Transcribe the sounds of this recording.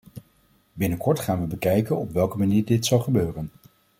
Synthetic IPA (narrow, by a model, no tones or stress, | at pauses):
bɪnəkɔɹtχaːnʋəbəkɛjkənɔpʋɛlˠkəmaniːɹdɪtsɑlˠχəbøːrən